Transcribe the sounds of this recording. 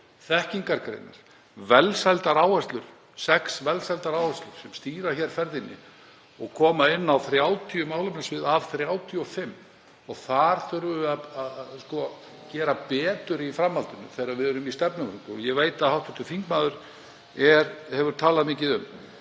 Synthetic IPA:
θɛhciŋkaɾkɾḛjna̰ɾ̥ | vɛlsajlt̪aɾaːwvɛst̪lʏɾ̥ | sɛksvɛlsalt̪aɾaːwvɛst̪lʏɾ̥sɛmst̪iːɾaçɛɾ̥fɛɾðɪnːɪ̰ | ɔɣkʰɔːmaɪnːawθɾjaːwt̪ʰiʏmaːwlʏmnasvɪðavθɾjaːwt̪ʰiɔfɪmː | ɔɣθaɾ̥θʏɾvʏaaskɔ | cɛːɾapɛːt̪ʏɾifɾamhalt̪ʏnʏ̰θeːɾavɪðʏɾʏmist̪ɛpnʏmɾʏŋt̪ɔjɛɣveːjt̪aðhawt̪vɪht̪ʏfiŋkmaːðʏɾ̥ | ɛɾhɛvʏɾ̥t̪ʰaːlaðmɪːcɪðʏm

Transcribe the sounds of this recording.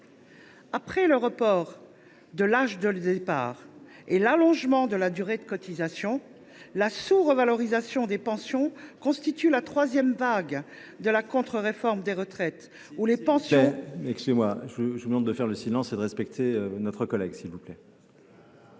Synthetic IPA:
apχɛləʁəpɔʁ | d̪əlaʒd̪əld̪epa̰ːʁ | elalɔ̃ʒmɑ̃d̪əlad̪yʁed̪əkɔt̪izasjɔ̃ | lasuʁəvalɔʁizasjɔ̃d̪epɑ̃sjɔ̃kɔ̃st̪it̪ylat̪χwazjɛmvaɡ | d̪əlakɔ̃t̪χəʁefɔʁmd̪eʁət̪χɛt̪ | ulepɑ̃sjɔɛ̃ɛkskyzemwaʒəʒəvumɑ̃d̪əfɛʁləsilɑ̃sed̪əʁɛspɛk̚t̪ʰeønɔt̪χəkɔlɛɡsilvuplɛ

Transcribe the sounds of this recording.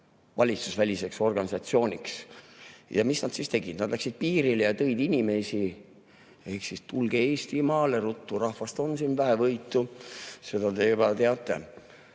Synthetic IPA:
vɑlʲit̪susvælʲise̞kso̞rɡ̥ɑnʲisɑt̪sio̞ːnʲiks | jɑ̰misnɑd̪̥sist̪e̞ɡ̥id̪̥nɑd̪̥læksid̪̥̚piːɾilejɑt̪ɤ̞jd̪inʲime̞si | e̞hksist̪ulɡ̥eeːst̪imɑːle̞ɾut̪ːuɾɑhvɑst̪o̞nsinvæɦe̞vɤjt̪ːˑuse̞d̪ɑt̪e̞bɑt̪eɑt̪ːˑe̞̰

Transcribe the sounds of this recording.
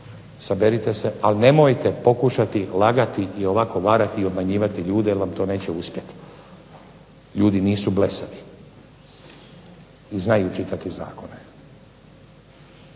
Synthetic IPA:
sabeɾit̪eseʔalne̞mojt̪e̞po̞kuʃat̪ilaɡat̪iio̞ʋako̞ʋaːɾat̪iio̞bmaɲiːʋat̪iʎuːd̪ejelʋamt̪o̞ːne̞ːt͡ɕeuspjet̪ | ʎuːd̪iniːsublesali | iznajut͡ʃit̪at̪iza̰ːko̞ne

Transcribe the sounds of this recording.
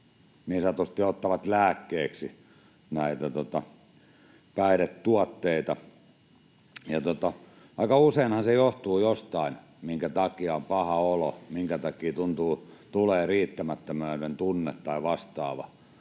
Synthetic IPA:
nisɑt̪ost̪ːiot̪ːɑʋɑt̪læːkːeːksi | næit̪æt̪ot̪ɑ | pæiɾet̪t̪uɑt̪ːeit̪ɑ | jɑt̪ot̪ɑ | ʋɑikɑuseinhɑnsejoht̪uːjost̪ɑin | miŋkæt̪ɑkiɑompɑhɑolo̰miŋkæt̪ɑkiːt̪unt̪uːt̪uleːriːt̪ːæmæt̪ːømæːɾent̪unːet̪tɑiʋɑst̪ɑːʋɑ̰

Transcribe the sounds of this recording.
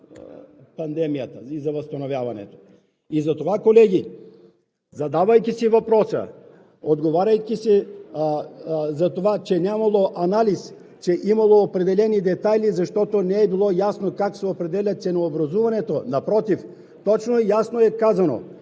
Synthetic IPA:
pɐnd̪ɛmijɐt̪ɐizɐvɐst̪ɐnovʲjavɐnɛ̰t̪o̥ | izɐt̪ovakolɛɡʲi | zɐd̪avɐjkʲisivɐpɾɔsɐ̰ | od̪ɡovaɾɐjkʲisɛ | zɐt̪ovat͡ʃɛnʲjamɐlˠoʔanalis | t͡ʃɛʔimɐlˠoːpɾɛd̪ɛlɛnid̪ɛt̪ajlizɐʃt̪ɔt̪onɛːbilˠɔjasnokaksɛopɾɛd̪ɛlʲat̪sɛnoːbɾɐzuvɐnɛt̪onɐpɾɔt̪if | t̪ɔt͡ʃnojasnoɛkazɐno̰

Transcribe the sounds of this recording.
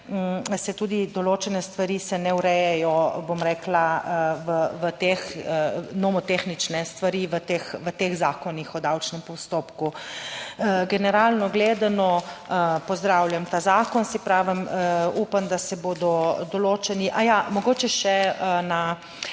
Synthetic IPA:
sɛt̪ud̪id̪ɔloːt͡ʃɛnɛst̪ʋaɾisɛnɛuɾɛjɛjɔbomɾɛːklaʋəʋət̪ex | nɔmɔt̪exnit͡ʃnɛst̪ʋaɾiʋət̪eːxʋət̪eːxzaːkɔnixɔd̪awt͡ʃnɛmpɔst̪oːpku | ɡɛnɛɾaːlnɔɡleːd̪anɔ | pɔzd̪ɾaːwljamt̪aːzaːkɔnsipɾaːʋəmupand̪asɛboːd̪ɔd̪ɔloːt͡ʃɛniʔajamɔɡoːt͡ʃɛʃɛəna

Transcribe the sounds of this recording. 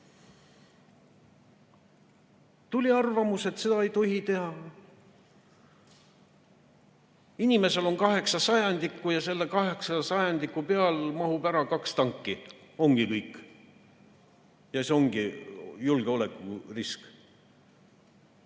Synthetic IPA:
t̪ulʲiɑrvɑmuset̪se̞d̪ɑejt̪o̞ɦit̪e̞ɦɑ | inʲime̞se̞lo̞ŋkɑɦe̞ksɑsɑjɑnd̪̥ikːˑujɑse̞lːe̞kɑɦe̞ksɑsɑjɑnd̪ikːˑupe̞ɑlmɑɦubæɾɑkɑkst̪ɑŋkːio̞ŋɡ̥ikɤjkːˑ | jɑseo̞ŋɡ̥ijulɡ̥eo̞le̞kːˑurisk

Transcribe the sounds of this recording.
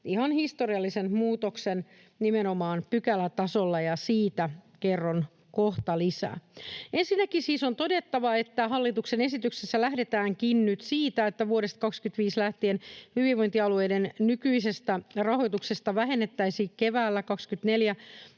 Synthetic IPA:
ihɑnhist̪o̞riɑlːisenmuːt̪oksen | nimeno̞mɑːnpykælːæt̪ɑsolːɑjɑsiːt̪ækerːon | koht̪ɑlisæ̰ːensinːækisiːso̞nt̪o̞de̞t̪ːɑʋɑe̞t̪ːæɦɑlːit̪uksene̞sit̪yksesːælæhde̞t̪æːŋkinnyt̪siːt̪æet̪ːæʋuoɾest̪ɑ̥kɑkskyt̪ʋiːslæht̪ienhyʋiʋʋo̞jnt̪iɑlue̞jdennykyise̞st̪ærɑho̞jt̪uksest̪ɑʋæɦe̞nːet̪ːæisiːkkeʋæːlːækɑkskyt̪ne̞ljæ

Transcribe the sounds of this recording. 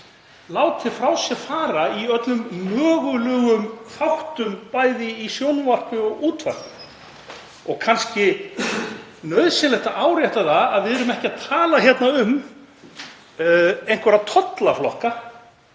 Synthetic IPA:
laːwt̪ʰɪfɾawsjɛfaːɾaiœt̪lʏmːœːɣʏlœːɣʏmθawht̪ʏmpaːjðɪisjownvar̥kʏɔɣuːt̪va̰r̥kʏ | ɔɣkʰanscɪ | nœɥðsɪnlɛht̪aʔaːwɾjɛht̪aθaaðvɪðɛɾʏmɛhcɪaðt̪ʰaːlaçjɛt̪naʏm | ejŋ̥kvɛɾat̪ʰɔt̪laflɔ̰hka

